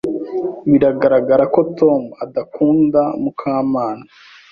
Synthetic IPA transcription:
βiɾaɡaɾaɡaɾako̞to̞muadakuːndamukʰaːmaːna

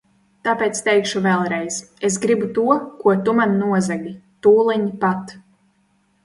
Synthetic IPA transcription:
t̪aːpeːt̪st̪ɛjkʃuvɛlˠɾɛjzes̬ɡɾibut̪uɔkuɔt̪umanːuɔzaɡʲit̪uːlˠiɲipat̪

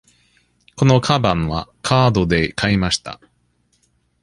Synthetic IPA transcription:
ko̞no̞kʰabãɰ̃βakʰaːd̪o̞d̪e̞kaimaɕi̥t̪a̰

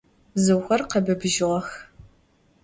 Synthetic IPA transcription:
zɨwxʷɐrqɐbɨbʒɪʁɐx

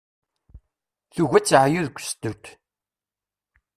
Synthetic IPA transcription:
θuʝæt͡sːʕjuðkʷːst̪ut̪

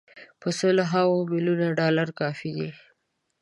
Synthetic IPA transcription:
pəsəloɦawomiljunaɖɑlaɾkɑfid̪i

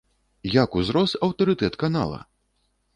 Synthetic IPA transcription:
jakuzɾɔst̪ɐwt̪ɐɾɨt̪ɛt̪kana̰lˠɐ̰

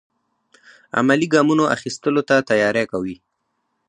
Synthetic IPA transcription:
a̰maliɡɑmunoʔa̰xist̪əlot̪at̪ajɑɾakawi

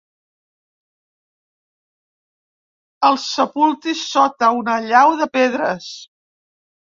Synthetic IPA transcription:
əlˠsːəpulˠt̪isɔt̪əunəʎawðəpeðɾəs

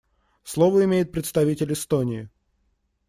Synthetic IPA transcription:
slˠovəɪmʲejɪt̪̚pɾʲɪt̪st̪ɐvʲitʲɪlʲɪst̪onʲɪɪ

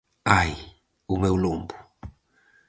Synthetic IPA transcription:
aji | umɛulombu

